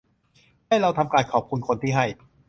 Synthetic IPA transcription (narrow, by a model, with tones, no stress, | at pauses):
ha˥˩jɾa˧wt̪ʰa˧mkaː˧nkʰɔː˨˩p̚kʰu˧nkʰo˧nt̪ʰiː˥˩ɦa˥˩j